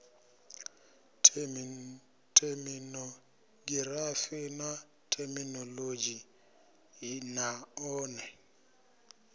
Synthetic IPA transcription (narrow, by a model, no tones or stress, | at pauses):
tʰɛminɔ | ɡirafɪna | tʰɛminɔlod͡ʒi | naɔːnɛ